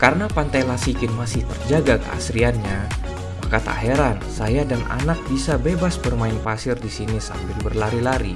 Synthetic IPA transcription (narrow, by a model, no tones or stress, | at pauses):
kaɾənapant̪ajlasikɪnmasɪht̪ərd͡ʒaɡakə̰a̰sɾianɲa | makat̪aa̰ɦɛɾansajadanʔa̰nak̚bisabebasbərmaɪnpasɪrdisinisa̰mbɪlbərlaɾilaɾḭ